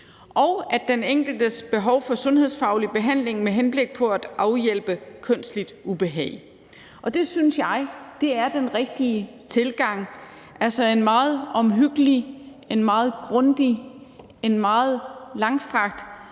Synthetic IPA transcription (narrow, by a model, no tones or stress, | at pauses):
ʔɒʊæ̥eneŋ̰ɡ̥l̩d̥əsb̥e̝ɦɒʊfɒ̽sɔ̽nɦe̝ðˠsfɑ̈ʊlib̥e̝ɦæn̰le̝ŋmeɦenb̥le̝ɡ̥̚pʰɒ̽æd̥ʔɑ̈ʊjel̰b̥əkʰøn̰sd̥lid̥ʔub̥e̝ɦɛ̰ːɪ | ʔɒ̽d̥e̝synsjɑ̈ɪd̥e̝æɐd̥enʁɛɡ̥̚d̥iə | t͡sʰe̝lɡ̥ɑ̈ŋ̰ | ʔælsɒe̝nmɑ̈ːð̞̩ˠɒ̽mɦyɡ̥əli | e̝nmɑ̈ːð̞̩ˠɡ̥ʁɔ̽nd̥i | enmɑ̈ːð̩ˠlɑ̈ŋsd̥ʁɑ̈ɡ̥̚d̥